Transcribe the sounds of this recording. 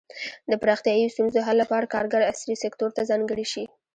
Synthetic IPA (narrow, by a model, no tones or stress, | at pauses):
d̪əpɾɑxt̪jɑjost̪unzoɦalːapɑɾakɑɾɡaɾaslisekt̪oɾt̪azɑŋɡəɽiʃi